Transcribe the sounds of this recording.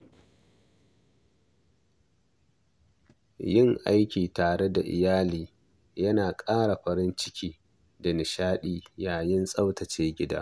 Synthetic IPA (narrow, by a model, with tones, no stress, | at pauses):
jɪ˦ŋʔa˦jkʲiː˨taː˨ɽe˦da̰˨ʔɪ̰˨jaː˦liː˨ | jɐ˦naː˨kʼaː˦ɽa˨ɸɐ˨ɾɪ˦nt͡ʃɪ˦kʲʰiː˦ | da˨nɪ˨ʃaː˦ɗiː˦jaː˨jɪ˦nsʼɐ˦wtɐ˨t͡ʃeː˦ɡʲɪ˦da̰ː˦